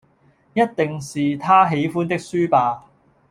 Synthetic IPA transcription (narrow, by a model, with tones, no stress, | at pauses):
jɐ˥t̚t̪ɪ˨ŋsiː˨t̪ʰaː˥ɦe˨˥jfuː˥nt̪ɪ˥k̚syː˥paː˨˧